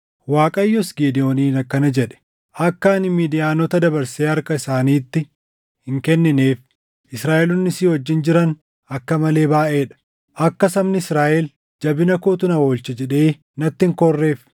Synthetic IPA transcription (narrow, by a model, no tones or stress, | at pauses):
waːkʼɐjːɔsɡeːd̪ɪjoːniːnɐkːɐnɐd͡ʒɛᶑɛ̥ | ʔɐkːaːnɪmiːd̪ɪjaːnɔt̪ɐd̪ɐbɐɾseːɐɾkɐɪsaːniːt̪ːɪ | hɪŋkɛnːɪne̞ːf | ʔɪsɾaːʔɛlʊnːɪsiːwɔd͡ʒːɪnd͡ʒɪɾɐn | ɐkːɐmɐle̞ːbaːʔeːᶑɐ̥ | ʔɐkːɐsɐmnɪɪsɾaːʔɛl | d͡ʒɐbɪnɐkoːt̪ʊnɐwoːlt͡ʃɛd͡ʒɛᶑe̞ː | nɐt̪ːɪŋkɔrːe̞ːf